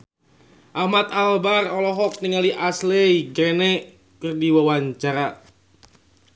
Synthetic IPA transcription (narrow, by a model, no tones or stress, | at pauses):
ʔahmat̪albarɔlɔɦɔk̚niŋaliʔaslɛiɡɾenɛ | kɨrdiwawaɲt͡ʃaɾa